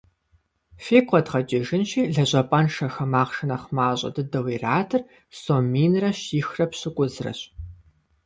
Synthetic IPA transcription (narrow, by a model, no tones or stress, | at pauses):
feːkʷʼɔdʁɐt͡ʃʼɪʒɪnʃiːɮɐʑʷʼɐpʼɐnʂɐxɐmaːʁʃɐnɐχmaːɕʼɐ̰dɨdɐwiːraːtʰɨr | somiːnrɐɕiːxrɐpɕɪkʷʼʊzrɐ̰ɕ